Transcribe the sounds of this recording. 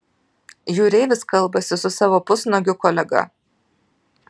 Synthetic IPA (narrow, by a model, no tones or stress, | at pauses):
juːɾʲɛɪʋʲɪskɐlˠˑbɐsʲɪsʊsɑːʋoːpʊsnoɡʲʊkɔːlʲɛɡɐ̰